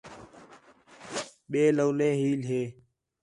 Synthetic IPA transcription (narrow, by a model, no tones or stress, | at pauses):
ɓeːloːleːɦiːlɦeː